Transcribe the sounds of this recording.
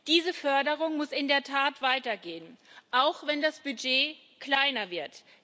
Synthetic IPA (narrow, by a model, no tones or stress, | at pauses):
d̥iːzəfœɐdəʁʊŋmʊsʔɪndeːɐtʰaːtv̥aɪtɐɡeːənʔaʊxv̥ɛndasb̥yd͡ʒeː | kl̥aɪnɐvɪɐt